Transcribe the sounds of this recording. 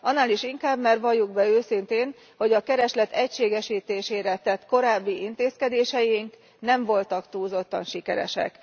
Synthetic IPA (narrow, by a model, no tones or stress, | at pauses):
ʔɒnːaːliʃiŋkaːbmɛrʋɒjːuɡbɛøːsint̪eːn | ho̞ɟɒkɛɾɛʃlɛt̪ɛcʃeːɡɛʃiːt̪eːʃeːɾɛt̪ɛt̪ko̞ɾaːbːiʔint̪eːskɛd̪eːʃɛjiŋk | nɛɱvo̞lt̪ɒkt̪uːzo̞t̪ːɒnʃikɛɾɛ̰ʃɛ̰k